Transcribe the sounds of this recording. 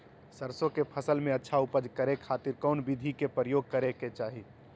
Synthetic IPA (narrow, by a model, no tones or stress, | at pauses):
səɾsõkepʰəsəlmẽɐtːʃʰaʊpəd͡ʒkəɾekʰaːt̪ɪɾkɔːnbɪd̪ʱikepəɾəjoːɡ̚kəɾeket͡ʃaːɦi